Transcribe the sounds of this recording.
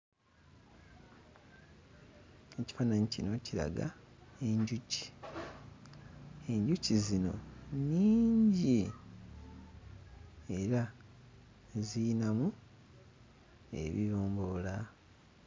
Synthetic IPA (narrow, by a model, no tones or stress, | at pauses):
e̞ci̥fanaɲicino̞ciɾa̰ɡa̰ | e̞ɲɟuci̥ | e̞ɲɟucizino̞̰ɲiːɲɟi | e̞ɾa | zinamu | e̞̰βḭβoːmbola